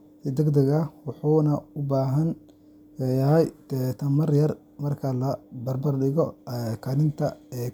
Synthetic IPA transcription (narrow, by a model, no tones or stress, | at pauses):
d̪ɛɡd̪ɐɣɐwɑħuːnɐʊbaːɦɐn | jɐɦɛjt̪ʰɛt̪ʰɐmɐrjɐr | mɐrkʰɐlɐbɐrbɐrɗɪɣɔkʰɐlɪnt̪ʰɐɛː